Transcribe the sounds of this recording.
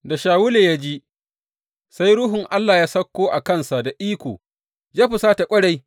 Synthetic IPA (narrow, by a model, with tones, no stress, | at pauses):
da˨ʃaː˨wʊ˦leː˨ja˦d͡ʒi˦ | sa˦jɽʊ˦ɦʊ˨ŋʔa˦lːaː˨jaː˦sɐ˦kːoː˦ʔa˨kɐ˦˨nsa˨da˨ʔiː˦kʷo̰ː˨ | d͡ʒaː˦ɸʊ˨saː˦ta˨kʷʼɐ˦ɽa˦j